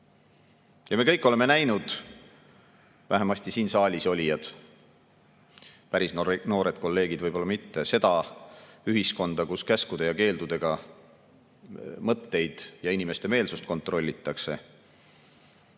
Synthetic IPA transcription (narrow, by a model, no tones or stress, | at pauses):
jɑme̞kɤjkːˑo̞le̞me̞næjnud̪̥ | væɦemɑsʲt̪isiːnsɑːlʲiso̞lʲijɑd̪̥ | pæɾisnno̞ːɾe̞d̪̥̚ko̞lːe̞ːɡ̥id̪vɤjbo̞lːɑmit̪ːe̞se̞d̪̥ɑ | yɦisko̞nd̪̥ɑkuskæskud̪̥e̞jɑke̞ːld̪̥ud̪̥e̞ɡ̥ɑ | mɤt̪ːe̞jd̪̥jɑinime̞st̪e̞me̞ːlsust̪̚ko̞nt̪ːˑɾro̞lʲːit̪ːˑɑkse̞